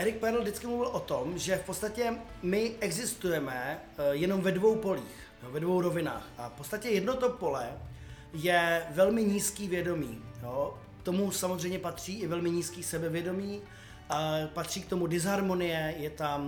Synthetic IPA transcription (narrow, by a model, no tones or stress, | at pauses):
ʔɛɾɪk̚pɛɾldɪt͡skɪmluvɪlʔo̞t̪omʒɛfpo̞t̪t͡st̪acɛmɪʔɛɡzɪst̪ujɛmɛ | jɛno̞mvɛdvo̞wpo̞lḭːx | joːvɛdvowɾo̞vɪna̰ːxʔafpot͡st̪acɛjɛdno̞t̪opo̞lɛ | jɛvɛlmɪɲiːskiːvjɛdo̞miːjoː | kt̪o̞musamozrɛjɲɛpat̪r̝̥iːʔɪvɛlmɪɲiːskiːsɛbɛvjɛdo̞miː | apat̪r̝̥iːk̚t̪o̞mudɪzɦaɾmo̞nɪjɛjɛt̪am